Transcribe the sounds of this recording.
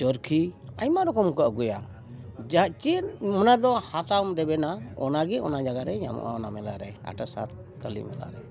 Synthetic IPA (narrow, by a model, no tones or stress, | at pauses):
t͡ʃɔɾkʰiajmaɾɔkɔmkɔʔəɡɔja | d͡ʒat͡ʃimənad̪ɔhat̪amɾɛbɛnaɔ̰naɡɛɔnad͡ʒaɡaɾɛɲa̰mɔ̰ʔa̰ɔnamɛlaɾɛa̰ʈasa̰t̪ | kəlḭmɛ̰la̰ɾɛ